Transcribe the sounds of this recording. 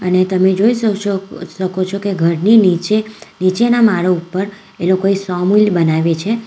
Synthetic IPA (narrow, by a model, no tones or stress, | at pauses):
ənet̪əmed͡ʒois | ʃəkot͡ʃʰokeɡʱəɾninit͡ʃenit͡ʃenamaɽoupːəɾ | elokoesɔmulbənaʋet͡ʃʰe